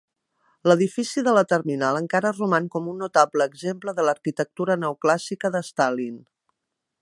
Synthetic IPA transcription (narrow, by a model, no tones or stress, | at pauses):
ləðifisiðələt̪ərminalˠəŋkaɾərumankɔmunːut̪apləːɡzempləðələɾkit̪ək̚t̪uɾənəuklasikəðəst̪alin